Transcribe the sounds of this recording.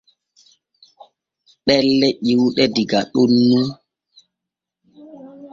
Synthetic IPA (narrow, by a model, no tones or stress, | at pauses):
ɗɛlːɛʔiwɗɛdiɡaɗunːu